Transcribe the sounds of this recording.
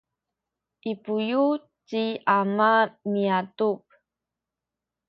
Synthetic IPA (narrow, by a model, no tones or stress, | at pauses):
ʔipuju | t͡ɕiamamiatup̚